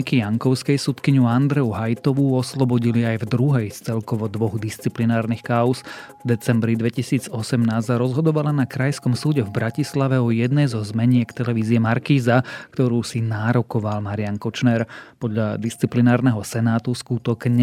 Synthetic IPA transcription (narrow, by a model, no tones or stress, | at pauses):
ikijaŋkɔʊskɛjsut̪kiɲuand̪ɾɛuɦajt̪ɔʋuɔslɔbɔɟiliajvd̪ɾuɦɛjst͡sɛlkɔʋɔd̪ʋɔɣd̪ist͡siplinaːɾnixkaɔs | vd̪ɛt͡sɛmbɾid̪ʋɛcisiːd͡zɔsɛmnaːssaɾɔzɦɔd̪ɔʋalanakɾajskɔmsuːɟɛvbɾacislaʋɛɔjɛd̪nɛjzɔzmɛɲɪɛkt̪ɛlɛʋiːziɛmaɾkiːzakt̪ɔɾuːsinaːɾɔkɔʋalmaɾɪankɔt͡ʃnɛɾpɔd̪ʎad̪ist͡siplinaːɾnɛɦɔsɛnaːt̪uskut̪ɔɡɲ